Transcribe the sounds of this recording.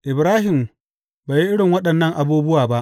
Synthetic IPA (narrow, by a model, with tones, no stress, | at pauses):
ʔɪ˨bɾaː˦ɦɪ˨m | baː˨ji˦ʔɪ˦ɽɪ˨ŋwɐ˦ɗɐ˨nːɐ˦˨ŋʔa˨buː˦bʊ˦waː˨ba˦ʔ